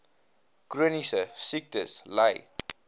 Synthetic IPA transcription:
kɾonisəsik̚t̪eslaj

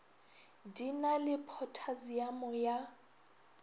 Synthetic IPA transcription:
dinalɪpʰɔtʰaziamɔja

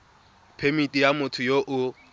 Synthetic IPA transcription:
pʰemitʼijamʊtʰʊjoʔʊ

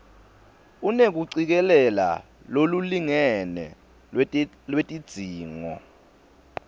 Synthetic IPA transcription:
unek̬uǀik̬ɛlɛla̰ | loluliŋɛnɛ̰ | lwetʼid̥z̥ʱiːŋɔ̰

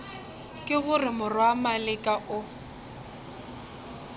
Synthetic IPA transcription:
kʼɪɣʊrɪmʊrwamalɪkʼaʔʊ

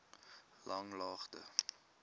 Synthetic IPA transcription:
lʔɐŋlɑːχtə̰

